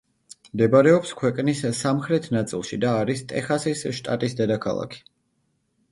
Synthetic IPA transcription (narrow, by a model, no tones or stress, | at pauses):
md̪ɛbaɾɛɔpskʰwɛkʼnissamχɾɛt̪ʰnat̪sʼḭlˠʃid̪aːɾist̪ʼɛ̰χasisʃt̪ʼat̪ʼisd̪ɛd̪akʰa̰lˠa̰kʰi̥